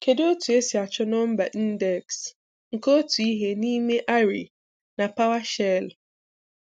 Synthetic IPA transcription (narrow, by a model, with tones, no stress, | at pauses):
ke˨de˦o˦tu˨e˦si˨a˨t͡ʃɔ˦nɔ˦m̩˦ba˨ʔi˦n̩˦dɛ˨ks | ŋ̩˨ko˦tu˨i˦ɦe˦ni˦me˦ʔa˦ɾi˨ | na˨pa˦wa˦ʃɛ˦l